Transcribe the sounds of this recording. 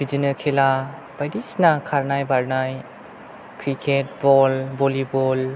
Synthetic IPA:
bid͡ʒinəɾkʰela | b̥ajdisnakʰaɾnajbaɾnaj | kʰɾikʰet̚bɔlbolibɔl

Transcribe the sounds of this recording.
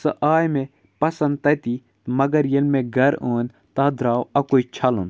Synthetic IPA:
sɐʔaːjmẽ | pɐsɐ̃nd̪̚t̪ɐt̪i | mɐɡɐɾjelmẽɡʱɐɾoːnʲ | t̪aːd̪ɾaːwɐkoːit͡ʃʰɐlun

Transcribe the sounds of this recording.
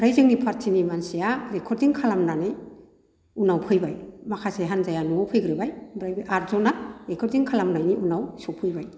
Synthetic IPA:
bɾajzɯŋnipʰaɾtʰinimansijaɾekʰɔɾdiŋkʰalamnanɯj | unawpʰɯjbajmakʰaseɦanzajanɔpʰɯjɡɾɯbajbɾajbɯʔaɾzɔnaɾekʰɔɾdiŋkʰalamnajniʔunawsɔpʰɯjbaj

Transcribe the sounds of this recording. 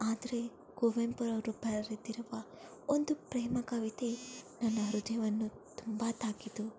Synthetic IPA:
aːd̪ɐɾe | ɡ̥oʋempɐɾɐɾubʱɐɾɐɾid̪iɾuʋɐ | ond̪upɾeːmɐkɐʋit̪enɐnːɐɦɾud̪ʱjɐʋɐnːu | t̪umbaːt̪aːkit̪u

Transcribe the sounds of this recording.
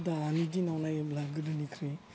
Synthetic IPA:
daːnidinawnajablaɡɯdɯnikʰɾe

